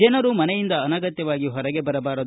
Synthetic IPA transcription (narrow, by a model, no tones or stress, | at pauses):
ɛnɐɾumɐnɛjind̪ɐːnɐɡɐt̪jɐʋaːɡiɦɔɾɐɡe̞bɐɾɐbaːɾɐ